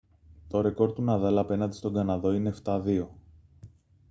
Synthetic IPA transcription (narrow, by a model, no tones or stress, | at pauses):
t̪o̞ɾe̞ko̞ɾt̪unɐðɐlɐpe̞nɐnd̪i̥st̪o̞ŋɡɐnɐðo̞ine̞ːft̪ɐðio̞